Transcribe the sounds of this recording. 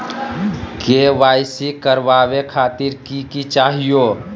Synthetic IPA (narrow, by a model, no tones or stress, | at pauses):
keʋaːjsikəɾʋaːwekʰaːt̪iɾkikit͡ʃaːɦijo